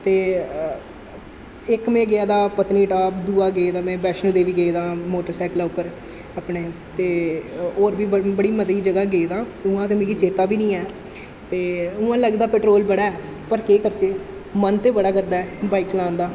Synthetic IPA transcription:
t̪eː | ɪkmẽːɡɪaːd̪aːpət̪niːʈaːpd̪uːaːɡeːd̪aːmɛ̃ːbɛːʃnũːd̪eːʋiːɡeːd̪ãːmoːʈəɾsɛːklaːʊpːəɾ | əpɳeːt̪eːoːɾbiːbəɽiːmət̪iːd͡ʒəɡaːɡeːd̪ãːʊãːt̪emẽɡiːt͡ʃeːt̪aːbiːnĩːɛː | t̪eːʊãːləɡd̪aːpɛːʈɾoːlbəɽaːɛː | pəɾkeːkəɾt͡ʃeː | mənt̪eːbəɽaːkəɾd̪aːɛːbaːikt͡ʃəlãːnd̪aː

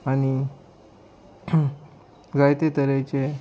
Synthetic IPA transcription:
ani | ɡajt̪et̪əɾajt͡ɕe

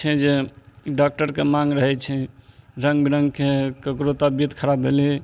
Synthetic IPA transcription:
t͡ʃʰɛd͡ʒeɖak̚ʈəɾkemaŋɡɾəɦɛt͡ʃʰɛɾəŋɡbiɾəŋɡkekəkɾot̪əbjət̪kʰəɾabeli

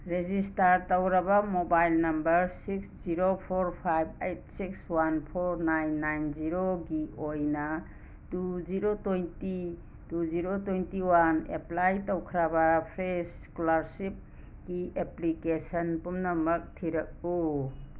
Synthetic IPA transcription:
ɾezistaɾtowɾɐbɐmobajlnɐmbɐɾsiksziɾopʰoɾpʰajb̚ejt̚sikswanpʰoɾnajnːajnziɾoɡiojnɐ | tuziɾotojnti | tuziɾotojntiwanḛplajtowkʰɾabɐpʰɾes | kulaɾsip̚ | ɡiʔeplikesɐnpumnɐmɐk̚tʰiɾɐk̚u

